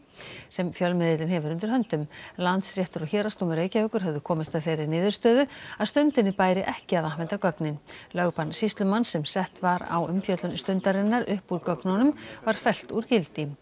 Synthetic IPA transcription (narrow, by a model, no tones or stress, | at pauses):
sɛmfjœlmɪðɪt̪lɪnɦɛvʏɾʏnt̪ɪɾ̥ɦœnt̪ʏmlant̪srjɛht̪ʏɾɔçɛːɾast̪uːmʏɾeːjcaœːkʏɾ̥ɦœvðʏkʰɔːmɪst̪aðfɪːɾɪɾnɪːðʏɾ̥st̪œːðʏaðst̪ʏnt̪ɪnːɪpaːjɾɪʔɛhcɪaðahvɛnt̪akœknɪnlœɣpansist̪lʏmanːsɛmsɛht̪vaɾa̰wʏmfjœt̪lʏnst̪ʏnt̪aɾɪnːaɾʏhpuɾkœknanʏmvaɾ̥fɛl̥t̪uɾcɪlt̪ɪ